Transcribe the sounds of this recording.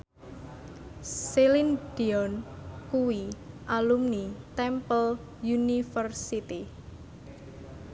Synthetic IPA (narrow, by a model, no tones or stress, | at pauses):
selind̪̥iɔnkuwi | ʔalumnit̪ɛmpəl | junifərsit̪i